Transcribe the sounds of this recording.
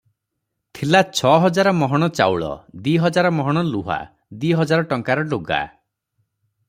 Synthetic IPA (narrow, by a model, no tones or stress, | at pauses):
t̪ʰilat͡ʃʰɔɦɔd͡ʒaɾɔmɔɦɔɽ̃ɔt͡ʃa̰wɭɔ̰d̪wiɦɔd͡ʒaɾɔmɔɦɔɽ̃ɔluɦa̰ | d̪wiɦɔd͡ʒaɾɔʈɔŋkaɾɔɖoɡa̰